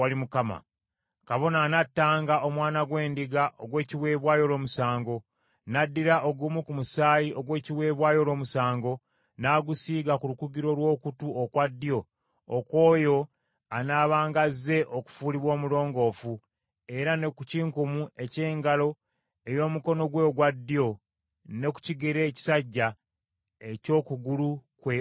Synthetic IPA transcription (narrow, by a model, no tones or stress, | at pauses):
walimukama̰ | kaβo̞nanatːaːŋɡaʔo̞mwaːnaɡwe̞ːndiɡaʔoɡwe̞ːciwe̞ːβwaːjo̞ːlo̞ːmusaːŋɡo̞ | nadːiɾaʔoɡuːmukumusaːjio̞ɡwe̞ːciwe̞ːβwaːjo̞ːlo̞ːmusaːŋɡo̞ | naːɡusiːɡakulukuɡiɾo̞lwo̞ːkutuokwadːijo̞ː | kwo̞ːjo̞ | anaːβaːŋɡazːe̞ʔo̞ku̥fuːliβwo̞ːmulo̞ːŋɡo̞ːfu | e̞ɾane̞kuciːŋkumue̞ce̞ːŋɡalo̞ | e̞jo̞ːmuko̞no̞ɡwe̞ɡwadːio̞ | ne̞ku̥ciɡeɾe̞ːci̥saɟːa | eco̞ːkuɡulukwe